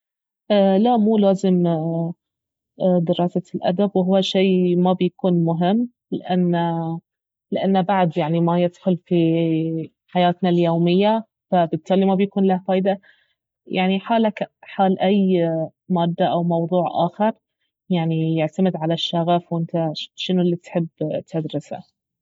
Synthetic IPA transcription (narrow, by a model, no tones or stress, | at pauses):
ʔaːlaʔmuːlaːzɪm | d̪ɪɾɑːsalʔa̰d̪abwɦʊwːaʃeːmabjakuːnmʊɦɪmː | lɪ̰ʔanː | lɪʔanːbaʕd̪jaʕnimajɪd̪̥xʊlfi | ħajaːt̪naljoːmɪjːa | fabɪt̪ʰˤːaːlimabjakuːnlahafaːjd̪a | jaʕniħaːlakħaːlʔaj | maːd̪ːaʔawmɑwðˤuːʕʔa̰ːxɑɾˤ | jaʕnijɪʕt̪amɪd̪ʕalaʃːaɣafwɪnt̪aʃɪnʊlːit̪ħɪbːt̪ʰad̪ɾɪsa̰